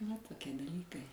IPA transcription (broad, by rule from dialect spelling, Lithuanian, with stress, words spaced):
ʋɐ toːˈkʲiɛ dɐˈlʲiːkɐɪ